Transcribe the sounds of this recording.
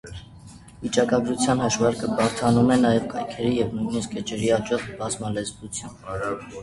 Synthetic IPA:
vit͡ʃɑkɑɡɾut͡sʰjɑnhəʃvɑɾkəbɑɾt̪ʰɑnumɛnɑjɛvkɑjkʰɛɾijɛvnujniskət͡ʃɛɾiɑt͡ʃɔʁbɑzmɑlɛzvut͡sʰjun

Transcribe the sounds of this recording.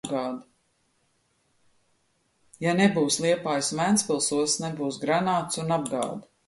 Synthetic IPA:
ɡaːd̪ | janebuːslˠiɛpaːjsmænspilˠsuɔsnɛbuːsɡɾanaːt̪sunab̚ɡɑ̰ːd̪

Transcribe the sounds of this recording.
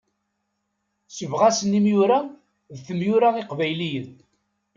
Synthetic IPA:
səvʁasənimjʊɾæ | ðθəmjʊɾaiqvæjlijən

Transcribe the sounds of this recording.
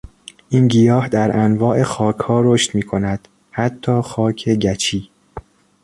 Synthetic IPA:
ʔiːnɟijɒːhd̪æɾʔænvɒːʔe̞xɒːcʰhɒːɾoːʃt̪miːkʰo̞næd̪̥ | hæt̪ʰːɒːxɒːcʰe̞ɟæt͡ʃʰiː

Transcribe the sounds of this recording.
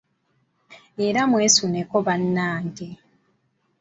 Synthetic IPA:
eɾamwesunekoβanːaːŋɡe

